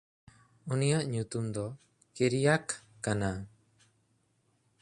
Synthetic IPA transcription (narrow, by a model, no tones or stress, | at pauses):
unijaʔɲut̪umd̪ɔ | keɾijakː | ana